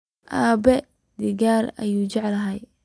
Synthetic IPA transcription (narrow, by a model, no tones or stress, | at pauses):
ʔaːbɛ | d̪ɪɡaːɾɐ̰juːt͡ʃɛʕlɐɦɛj